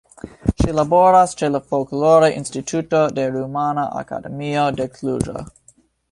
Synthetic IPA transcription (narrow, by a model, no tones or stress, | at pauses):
ʃilaboɾast͡ʃeləfokuloɾeʔḭnstitʰutodeɾumanaʔa̰ka̰dḛmiodekʰluɾo̰